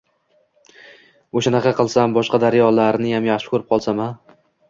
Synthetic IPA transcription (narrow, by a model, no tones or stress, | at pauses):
oʃanɑqʰɑqɨlˠsambɒʃqɑd̪aɾjɒlaɾnɪjamjaχʃɪ̥kʰʲɵɾɪp̚qʰɒlˠsama